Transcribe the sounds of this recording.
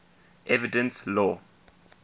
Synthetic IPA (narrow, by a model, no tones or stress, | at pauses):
ʔɛvidɛ̃nslɔ